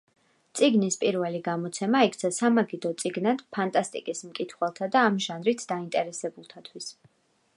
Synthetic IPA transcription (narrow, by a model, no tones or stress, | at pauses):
t̪sʼiɡnispʼiɾvɛliɡamɔt̪sʰɛmaikʰt̪sʰasamaɡid̪ɔt̪sʼiɡnad̪̥pʰant̪ʼast̪ʼḭkʼismkʼit̪ʰχwɛlˠt̪ʰad̪aːmʒanɾit̪ʰd̪aint̪ʼɛɾɛsɛbulˠt̪ʰat̪ʰwis